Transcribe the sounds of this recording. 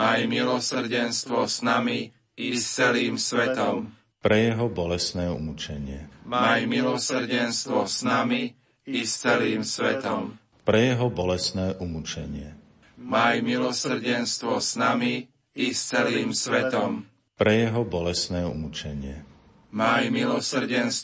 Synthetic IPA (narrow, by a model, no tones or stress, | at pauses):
majmilɔsr̩ɟɛnst̪ʋɔsznami | ist͡sɛliːmsʋɛt̪ɔm | pɾɛjɛɦɔbɔlɛsnɛːṵmut͡ʃɛɲɪɛmamajmilɔs̩ɟɛnst̪ʋɔsnami | ist͡sɛliːmsʋɛt̪ɔm | pɾɛjɛɦɔbɔlɛsnɛːʔumut͡ʃɛɲɪɛ | majmilɔsr̩ɟɛnst̪ʋɔsnami | ist͡sɛliːmsʋɛt̪ɔm | pɾɛjɛɦɔbɔlɛsnɛːumut͡ʃɛɲɪɛ | majmilɔsr̩ɟɛns